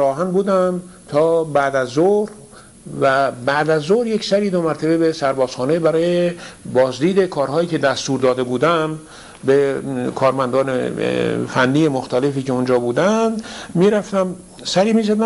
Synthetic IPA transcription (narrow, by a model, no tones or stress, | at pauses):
ɾɒːɦænbuːd̪æmt̪ʰɒːbæd̪æzoɾ | væbæʔd̪æzːoɾje̞csæɾiːd̪omæɾt̪ʰebebesæɾbɒːz̥xɒːnebæɾɒːjjebɒːzd̪iːd̪e̞kʰɒːɾɦɒːjiːcʰe̞d̪æst̪uːɾd̪ɒːd̪e̞buːd̪æm | bekʰɒːɾmænd̪ɒːnḛfænːiːjemoxt̪ʰælefiːceond͡ʒɒːbuːd̪ænd̪miːɾæft̪æm | sæɾiːmiːzæd̪æ